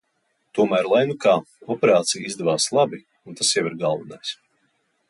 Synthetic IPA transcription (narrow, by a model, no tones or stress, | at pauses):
t̪uɔmæːɾlˠajnukaː | ɔpeɾaːt̪sijizd̪ɛvaːslˠabi | unt̪asjawiɾɡalˠvinajs